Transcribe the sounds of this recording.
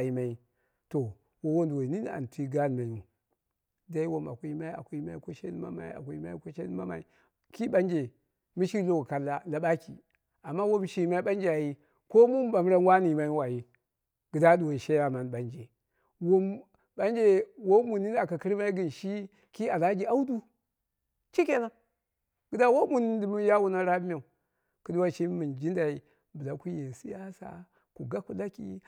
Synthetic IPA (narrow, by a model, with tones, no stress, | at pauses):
a˨ji˨ma˨i˦ | to˨ | wo˨wo˦ndu˨wo˨ni˦n˦a̰˨n˨tʰi˦ɡa˦n˨ma˨˦u˨ | da˦i˦wo˦ma̰˨kʷu˦i˦ma˦i˦a̰˨ku˨i˦ma˦i˦ko˦ʃe˦ma̰˦ma̰˨ḭ˦a̰˨ku˦i˦ma̰˦i˦ko˦ʃe˦ma˦ma̰˨i˨ | ki˦ɓa˦nd͡ʒe˨ | mi˦ʃi˦lo˨ka˨la˨la˨ɓa˦kḭ˨ | a˨mːa˦wo˦mʃi˨ma˦i˦ɓa˦nd͡ʒa˨ji˦ | ko˦mu˦m˦ɓa˨m˦ɾa˦n˦wa˦ni˨ma˦i˦wa˨ji˦ | ɡ̥ɨ˨da˦du˨wo˨ʃe˦ja˨ma˨n˨ɓa˦nd͡ʒe˨ | wu˦m | ba˦n˦d͡ʒe˨wo˦mu˨ni˦n˦a˨ka˨ki˦ɾma˦i˦ɡi˨nʃi˦ | ki˦a˨la˦d͡ʒi˨a˦u˦du˦ | t͡ʃi˦ke˦na˦ | ɡi˨da˦wo˦mu˨ni˦n˦di˨mi˦ja˦wu˦na˦ɾa˦bma˨u˨ | ku˦du˦wa˦t͡ʃi˦mɨ˨nd͡ʒi˦nda˨i˨ | bɨ˨la˨ku˦je˨si˦ja˦sa̰˨ | ku˨ɡa˦ku˦˨la˦kḭ˦